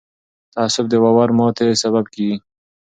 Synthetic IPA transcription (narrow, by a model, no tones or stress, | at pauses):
t̪aːsʊb̚d̪əwawaɾmot̪ʰesabab̚kiɡi